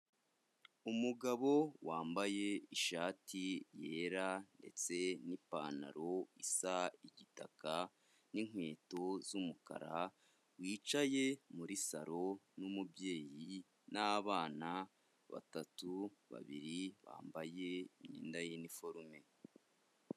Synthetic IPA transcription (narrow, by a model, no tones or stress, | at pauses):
umuɡaβo̞waːmbaje̞iʃaːtije̞ːɾande̞̰t͡se̞nipa̰ːna̰ɾo̞isaiɟita̰ka | niŋ̥we̞ːto̞zumuka̰ɾa | wiːt͡ʃaje̞muɾisaɾo̞numubje̞ːji | naβaːna | βa̰tatuβa̰βḭɾiβa̰ːmbaje̞iɲḭːndajinifo̞ɾume̞